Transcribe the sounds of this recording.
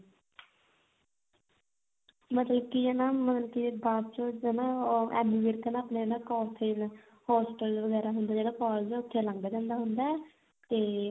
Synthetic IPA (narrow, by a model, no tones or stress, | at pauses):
mət̪ləbkienaːmət̪ləbkibaːbt͡ʃõːnãːɛ̰ːmiʋeːɾkənaːpneːnãːkɔːpʰen | hɔːsʈəlʋəɡɛːɾaːɦʊnd̪aːd͡ʒeːɽaːkɔːld͡ʒʊt̪ʰːelãːŋɡaːd͡ʒãːnd̪aːɦʊnd̪aːɛ | t̪eː